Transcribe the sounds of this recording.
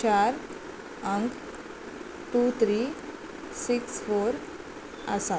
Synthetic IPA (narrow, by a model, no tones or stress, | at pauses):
t͡ɕaɾ | əŋk | ʈut̪ʰɾi | siksfoɾ | ə̰sa